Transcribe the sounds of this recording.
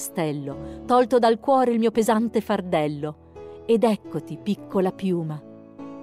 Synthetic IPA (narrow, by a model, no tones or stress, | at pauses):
st̪ɛlːot̪ɔlt̪od̪alkwɔːɾeilmiːopezant̪efard̪ɛlːo | ed̪ɛkːot̪ipikʰːolapjuːma